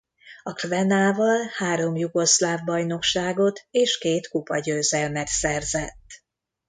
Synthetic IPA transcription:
ɒkrvɛnaːvɒlhaːɾo̞mjuɡo̞slaːvbɒjno̞kʃaːɡo̞t̪ʰeːʃkeːt̪kupɒɟøːzɛlmɛt̪sɛrzɛt̪ː

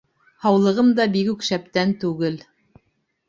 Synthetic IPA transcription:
hɑwlˠɤ̆ʁɤmd̪ɑbikʉkʃæp̚t̪ænt̪ʉɡɘl

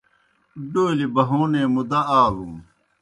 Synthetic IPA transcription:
ɖoːlibɐɦũːnẽːmud̪ɐaːɡũː

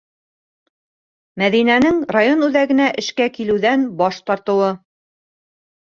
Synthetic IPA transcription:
mæðinænɘŋrajonʉðæɡɘ̆næʔɘ̆ʃkækilɘ̆wðænbɒʃt̪ɑɾt̪ɤ̆wɤ

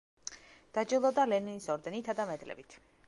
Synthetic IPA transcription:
d̪̥ad͡ʒilˠɔd̪alɛninisɔɾd̪ɛnit̪ʰad̪amɛd̪lɛ̰bit̪ʰ

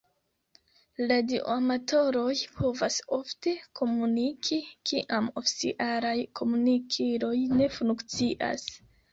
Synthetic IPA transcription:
ladioamato̞ɾo̞jpʰo̞vaso̞fte̞ko̞munikʰikiʔamofi̥sḭʔaɾajkʰo̞munikʰiɾo̞jne̞funkt͡siʔa̰s

